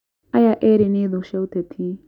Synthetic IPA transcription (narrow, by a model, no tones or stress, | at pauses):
ɐjaʔeːɾineːd̪oʃɛwt̪ɛt̪ʰi